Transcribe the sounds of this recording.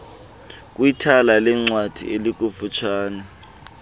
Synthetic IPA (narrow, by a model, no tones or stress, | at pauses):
k̬ʼwitʰalalɛŋ͡ǀwad̥ʱḭelik̬ʼufut͡ʃʰaːna